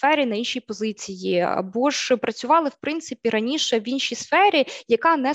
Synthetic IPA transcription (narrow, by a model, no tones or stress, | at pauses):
fɛɾʲinɐinʃʲijpɔzɪt͡sʲijiɐ̰bɔʒ̥pɾɐt͡sʲʊʋɑlˠɪwpɾɪnt̪sɪpʲiɾɐnʲiʃɛʋinʃʲijsfɛɾʲijɐkɑnɛ